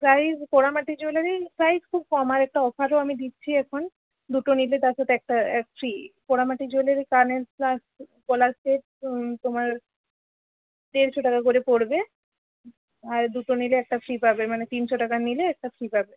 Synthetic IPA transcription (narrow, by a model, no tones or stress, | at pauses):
pɾajzpoɽamaʈid͡ʑoleɾipɾajskʰub̚kɔmaɾɛk̚ʈaɔfaɾoamid̪itːɕʰiɛkʰon | d̪uʈonilet̪aɾʃat̪ʰeɛk̚ʈaɛkfɾipoɾamaʈid͡ʑoleɾkaɾnelplas | kolasʈeʈ̚ | t̪omaɾ | t̪eɾʃʰoʈakakoɾepoɾbe | aɾd̪uʈonileɛk̚ʈafɾipabemanet̪insoʈakanileɛk̚ʈafʰɾipabe